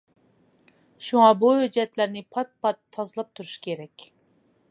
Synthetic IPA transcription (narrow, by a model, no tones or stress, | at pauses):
ʃuŋɑbuhød͡ʒɛt̪læɾnɪpʰɑt̪̚pʰɑt̪ʰːɑzɨlˠɑp̚t̪ʰuɾu̥ʃkʲʰeɾɛkʲ